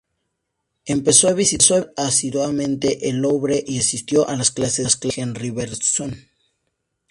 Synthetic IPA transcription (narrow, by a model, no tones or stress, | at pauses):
e̞mpe̞soaβisisoasiðwamẽnt̪e̞ʔeloβɾeʔiasist̪jo̞ʔalasklasesklaxenriβeɾson